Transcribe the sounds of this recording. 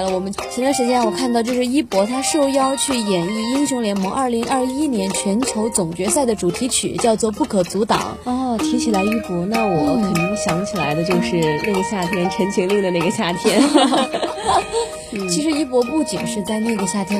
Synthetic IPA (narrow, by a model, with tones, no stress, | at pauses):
lə˧wɔ˨˩mə˦nt͡ɕʰi˧˥a˧˥ʂɻ̩˧˥t͡ɕjɛ˥n˥˩wɔ˨˩kʰa˥˧nt̪ɑ˥˧ʊt͡ɕjo˥˧ʊʂɻ̩˥˧i˥pwɔ˧˥t̪ʰa˥ʂo˥˩ʊjɑ˥ʊt͡ɕʰy˥˩jɛ˨˩ni˥˩i˥ŋɕjʊ˧˥ŋljɛ˧˥nmɤ˧˥ŋʔɐ˞˥˩li˧˥ŋʔɐ˥˩i˥i˥njɛ˧˥nt͡ɕʰɥɛ˧˥nt͡ɕʰjo˧˥ʊt͡sʊ˨˩ŋt͡ɕɥɛ˧˥sa˥˩ɪd̪ə˩ʈ͡ʂu˨˩t̪ʰi˧˥t͡ɕʰy̰˨˩t͡ɕjɑ˥˧ʊt͡swɔ˥˧pu˥˩kʰɤ˨˩t͡su˧˥t̪ɑ̰˨˩˦ŋɔ˥˩t̪ʰi˧˥ŋt͡ɕʰi˨˩la˧˥ɪy˥˩pwɔ˧˥na˥˩wɔ˨˩kʰə˨˩nni˧˥ŋɕjɑ˧˥ŋt͡ɕʰi˨˩la̰˧˥ɪd̪ə˧t͡ɕjo˥˧ʊʂɻ̩˥˧na˥˩ɡə˩ɕja˥˩t̪ʰjɛ˥nʈ͡ʂʰə˧˥nt͡ɕʰi˧˥ŋli˥˩ŋd̪ə˩na˥˩ɡə˩ɕja˥˩t̪ʰjɛ˥n | t͡ɕʰi˧˥ʂ̬ɻ̩˧˥i˥pwɔ˧˥pu˥˩t͡ɕi˨˩nʂɻ̩˥˧t͡sa˥˧ɪna˥˩ɡə˩ɕja˥˩t̪ʰjɛ˥